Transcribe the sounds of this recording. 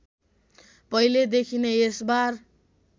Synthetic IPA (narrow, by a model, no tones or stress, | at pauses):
pʌiled̪ekʰineesbar